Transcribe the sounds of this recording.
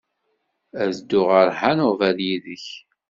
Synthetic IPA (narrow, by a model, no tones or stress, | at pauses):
æzd̪ːʊʁəɾħanʊvæljiðəç